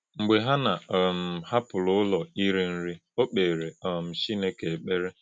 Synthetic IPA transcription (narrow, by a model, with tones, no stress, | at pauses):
ŋ͡m̩˨ɡ͡be˨ɦa˦na˨m̩˨ha˦pʊ˨lʊ˦ʊ˦lɔ˨i˦ɾi˦n̩˦ɾi˦o˦k͡pe˨ɾe˨ɔ˨m̩˨t͡ʃi˦ne˦ke˨e˨k͡pe˦ɾe˦